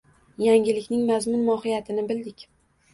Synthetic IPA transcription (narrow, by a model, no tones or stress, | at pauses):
jaŋʲɪlɪkʲnɪŋmazmʊnmɒhɪjat̪ʰɪnɪbɪld̪ɪkʲ